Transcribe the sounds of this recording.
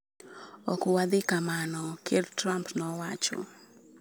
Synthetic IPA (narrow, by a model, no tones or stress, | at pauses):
ɔkuwad̪ɪkamanɔkedtɾampnɔwat͡ʃɔ̰